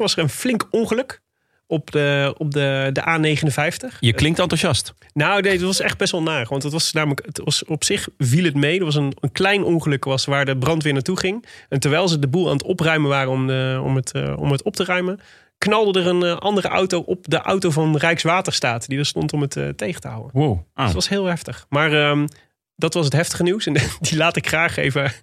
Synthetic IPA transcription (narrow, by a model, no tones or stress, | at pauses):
ʋɑsəɹənflɪŋkɔnχəlɵk | ɔpdəɔp̚dədəʔaːnejχənənvɛjftəχjəklɪŋtɑntuʒɑst | nownedɑtʋɑsɛχd̚bɛsʋɛlˠnaːəχʋɑntdətʋɑsnaːmələkətʋɑsɔpsɪχvilˠətmejdəɹʋɑs̬ənənklɛjnʔɔŋχəlɵkʋɑsʋaːɹdəbrɑntʋɪːɹnaːtuχɪŋɛntɛɹʋɛjlˠzədəbulˠa̰ːnətɔprœɥməʋaːrənɔmɔ̰mətɔ̰mɦətɔp̚tərœɥmən | knɑlˠdədərənʔɑndərəʔa̰wtowʔɔp̚dəʔa̰wtowvɑnrɛjksʋaːtəɹstaːtdidəɹstɔntɔmətːtejχə̥təɦa̰wə̰nwotʋɑsɦɪːlˠɦɛftəχmaːrəm | dɑtʋɑs̬ətɦɛftəχəniwsɛndilaːtɪkχraːχḛjvə